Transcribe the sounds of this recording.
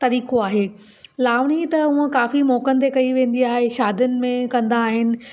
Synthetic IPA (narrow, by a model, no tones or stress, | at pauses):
t̪ɐɾiːkoaːɦeː | laːʋɽ̃it̪ɐʊ̃ə̃kaːfimɔːkənɪ̆t̪ekɐiʋẽːn̆d̪iaːɦeʃaːd̪ʱənɪ̆mẽkɐ̃nd̪aːɦɪnɪ̆